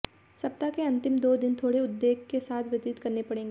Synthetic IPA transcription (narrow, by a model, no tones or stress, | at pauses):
sɐp̚t̪akeɐ̃nt̪ɪmd̪oːd̪ɪnt̪ʰoːɽeʊd̪ːeːɡ̚kesaːt̪ʰʋɪt̪ɪt̪kɐɾnepɐɽẽːŋɡe